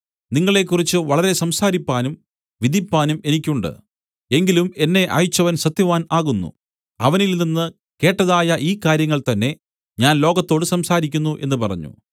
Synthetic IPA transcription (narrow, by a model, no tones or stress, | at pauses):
niŋːɐɭe̞kːurit͡ɕːɨʋɐɭɐɾe̞sɐmsaːɾipːaːnum | ʋid̪ʱipːaːnume̞nikʲːuɳɖɨ̰ | e̞ŋɡilume̞nːe̞ʔɐ̰jut͡ɕːɐʋɐnsɐt̪jɐʋaːnaːɣunːṵ | ɐʋɐnilninːɨ | ke̞ːʈːɐðaːjɐʔiːkaːɾjɐŋːɐɭt̪ɐnːe̞ | ɲaːnlo̞ːɡɐt̪ːo̞ːɽɨsɐmsaːɾikʲːunːuʔe̞nːɨpɐrɐ̰ɲːṵ